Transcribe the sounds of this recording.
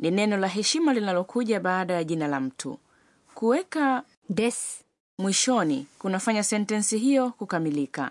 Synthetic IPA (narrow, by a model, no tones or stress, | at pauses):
ninɛnɔlaɦɛʃimalinalɔkʰuʄaɓaːɗajaʄinalam̩tʰṵ | kuwɛka | dɛs | mwiʃɔnḭkunafaɲasɛntɛnsiɦijɔkukamilika̰